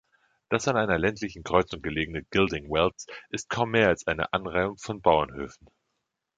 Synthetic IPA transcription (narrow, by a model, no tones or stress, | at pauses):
d̥asanʔaɪnɐlɛntʰlɪçn̩kʁ̥ɔʏt͡sʊŋɡ̥əleːɡŋ̩nəɡ̥ɪldɪŋwɛlt͡sʔɪst̚kʰaʊmːeːɐalsʔaɪnə̰ʔanʁaɪʊŋfɔnbaʊɐnhøːfn̩